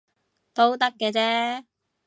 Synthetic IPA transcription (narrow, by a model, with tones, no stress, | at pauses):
t̪o˥wt̪ɐ˥kːɛː˧t͡sɛː˥